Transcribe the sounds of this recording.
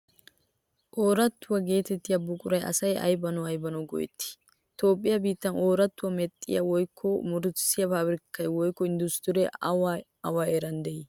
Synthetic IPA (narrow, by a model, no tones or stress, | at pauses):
ʔoːɾɐt̪ːʊwɐɡe̞ːt̪ɛt̪ːɪjɐbʊkʼʊɾɐjʔɐ̰sɐjʔɐ̰jbɐnɔɐjbɐnɔɡɔ̰jɛ̰t̪ːɪ̥ | t̪o̞ːpʼːɪjɐbiːt̪ːɐno̞ːɾɐt̪ːʊwɐmɛt̪ʼːɪ̰jɐ̰wɔjkʰːɔmʊɾʊsɪjɐpaːbɾɪkːɐjwɔjkːɔɪnd̪ʊst̪ʊɾɛ | ɐwaːeɾɐnd̪ɛʔi